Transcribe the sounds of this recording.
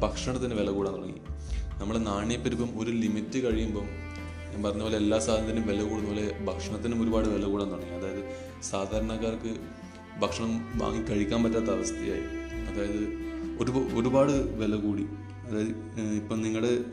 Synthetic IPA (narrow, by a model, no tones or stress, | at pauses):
bʱɐkʂɐɳɐt̪ːɐnːeʋe̞lɐkuːɽaːnːuɽɐŋːḭ | nɐmːɐɭenaːɳjɐpːɐɾupːɐmo̞ɾulimitːɨkɐɻijumboːm | pɐrɐɲːɐoːleelːaːsaːɐnd̪ɐnumʋe̞lɐkuːɽunuboːlebʱɐkʂɐɳɐt̪ːinumo̞ɾubaːɽɨʋelɐkuːɽaːnuɽɐŋːiɐðaːjɐðɨ | saːd̪ʱaːɾɐɳɐkːaːrkɨ | bʱɐkʂɐɳɐmʋa̰ːŋɡikɐɻikʲːaːnpɐtːaːt̪ːɐʋɐst̪ija̰ːjḭɐðaːjɐðɨo̞ɾuoɾubaːɽɨʋe̞lɐkuːɽi | ɐðaːjɐ | ipːɐmniŋːɐɭɽe